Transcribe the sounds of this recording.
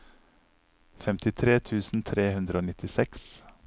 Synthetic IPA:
fɛmt̪ɪt̪ʰɾeːt̪ʰʉːsn̩t̪ʰɾeːhʉnd̪ɾəoːnɪt̪ɪsɛks

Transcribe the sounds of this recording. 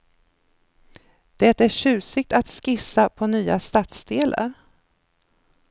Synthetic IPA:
d̪̥ɛt̪æɕʉ̟ːsɪɡ̚t̪at̪skɪsːapʰɔnyːast̪aːt̪sd̪eːlʔa̰ɾ

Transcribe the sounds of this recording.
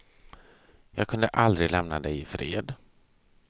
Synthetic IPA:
jɑːɡkʰɵnd̪əʔald̪ɾɪɡlɛmnad̪ɛjɪfɾeːd̪

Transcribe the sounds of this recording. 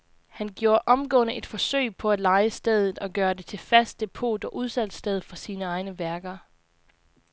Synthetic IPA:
hænɡ̥jo̝ːɐʔɒ̽mɡ̥ɔ̰ːnəʔe̝d̥fɒ̽sø̰ɪpʰɒ̽ælɑ̈ɪəsd̥eð̞ˠð̩ˠɒ̽ɡ̥ɶːɐd̥e̝t͡sʰe̝fæsd̥̚e̝pʰo̝̰ːd̥ɒ̽ʔuð̞ˠsæl̰d̥sd̥eð̞ˠfɒsiːnəɑ̈ɪnəʋæɐɡ̥ɐ

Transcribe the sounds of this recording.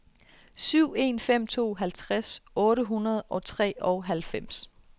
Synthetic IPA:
syʊ̰e̝̰ːnfem̰t͡sʰo̝̰ːɦælt͡sʰʁasɔ̽ːɾəɦunɐðˠɒ̽t͡sʰʁɛ̰ːɒʊɦælfem̰s

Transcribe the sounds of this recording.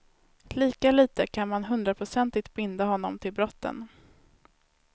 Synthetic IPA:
liːkaliːt̪əkʰanmanɦɵnd̪ɾapʰɾʊsɛnt̪ɪt̪bɪnd̪aɦɔnːɔmt̪ʰɪlbɾɔt̪ːə̰n

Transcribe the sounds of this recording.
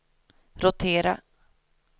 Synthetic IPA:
ɾʊt̪ʰeːɾa̰

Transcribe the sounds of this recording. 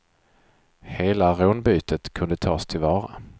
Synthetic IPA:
heːlaɾoːnbyːt̪ət̪kʰɵnd̪ət̪ʰɑːst̪ʰɪlvɑːɾa

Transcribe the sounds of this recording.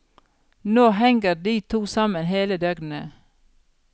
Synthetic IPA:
noːɦɛŋɡəd̪iːt̪ʰuːsɑmənɦeːləd̪œɡnn̩ə̰

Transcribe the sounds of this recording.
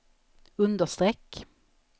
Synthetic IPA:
ɵnd̪əʂt̪ɾɛkː

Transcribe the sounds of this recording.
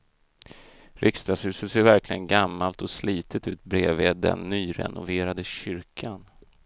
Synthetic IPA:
ɾʔɪkst̪ɑːshʉ̟ːsət̪seːɾvæɾklɪɡənɡamːalt̪ɔsliːt̪ʰət̪ʉ̟ːt̪̚bɾeːveːd̪ɛ̰nːyːɾɛ̰nʊ̰veːɾad̪əɕʏɾkʰan

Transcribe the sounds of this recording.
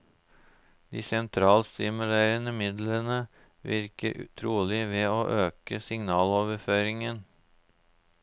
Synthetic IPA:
d̪̥ḭːsɛnt̪ʰɾɑːlst̪ɪmʉleːɾənəmɪd̪lənə | ʋɪɾkəɾt̪ʰɾuːlɪʋeːoːʔøːkəsɪŋnɑːloːʋəɾføːɾɪŋən

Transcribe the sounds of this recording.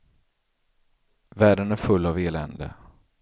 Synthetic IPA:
væːɖənæɾfɵlːaveːlɛ̰nd̪ə̰

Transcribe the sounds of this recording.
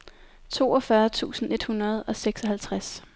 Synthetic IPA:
t͡sʰo̝̰ːɒ̽fɶɐt͡sʰṵːsn̩e̝d̥hunɐð̞̩ˠɒ̽seɡ̥sɒ̽ɦælt͡sʰʁas

